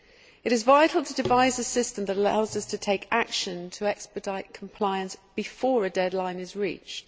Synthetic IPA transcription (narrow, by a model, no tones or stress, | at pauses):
ɪɾɪzvaɪtʰˡl̩ˠtʰədɪvaɪzəsɪstə̃mðəɾəlaʊzʌstʰətʰeɪkʰakʃə̃ntʰəɛkspədaɪʔkʰə̃m̩pʰl̥aɪə̃nsb̥ɪfɔːɹədɛdˡlãɪ̃nɪzɹḭˑt͡ʃt